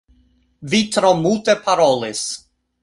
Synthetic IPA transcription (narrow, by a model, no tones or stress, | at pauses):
vit̪ɾomult̪epʰaɾolis